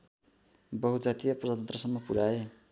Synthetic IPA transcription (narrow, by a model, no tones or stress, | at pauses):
bʌɦud͡zat̪ijaprʌd͡zat̪ʌnt̪rʌsʌmːʌpuɾae